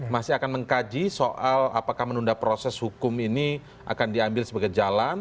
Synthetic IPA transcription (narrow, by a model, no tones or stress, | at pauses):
masɪakanməŋkad͡ʒisoʔala̰pakahmənundapɾosɛshukʊmini | a̰kandiambɪlsəbaɡajd͡ʒalan